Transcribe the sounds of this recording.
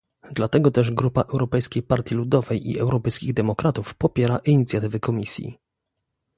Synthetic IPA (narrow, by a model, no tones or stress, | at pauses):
d̪lat̪ɛɡɔt̪ɛʐɡɾupaʔɛwɾɔpɛjskʲejpaɾt̪ʲjilud̪ɔvɛjʔḭɛwɾɔpɛjskʲiɣd̪ɛmɔkɾat̪ufpɔpʲjɛɾaʔiɲit̪sʲjat̪ɘvɘkʰɔmʲisʲjḭ